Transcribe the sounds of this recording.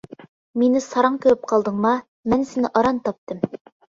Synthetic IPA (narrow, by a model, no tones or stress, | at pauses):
minɘsɑɾɑɴkɵ̆ɾɘp̚qɑlˠd̪ɤ̆ɴmɑ | mænsɘ̆nɘʔɑɾɑnt̪ɑp̚t̪ɤm